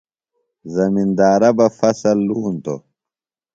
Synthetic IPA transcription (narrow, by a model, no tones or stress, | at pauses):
zɐmind̪aːɾɐbɐfɐsɐlːuːnt̪o̰